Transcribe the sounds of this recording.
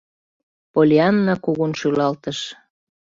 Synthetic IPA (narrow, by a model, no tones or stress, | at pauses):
polʲeɑnːɑkuɣunʃylɑlt̪əʃ